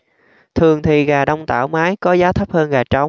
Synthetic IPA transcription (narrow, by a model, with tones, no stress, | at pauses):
t̪ʰɨ˨˩əŋt̪ʰi˨˩ɣaː˨˩ɗɔ˧wŋ͡mt̪a̰ː˧˩wmaː˨˦jkɔ˨˦zaː˨˦t̪ʰə˦˥p̚həː˧nɣaː˨˩t͡ɕɔ˨˦wŋ͡m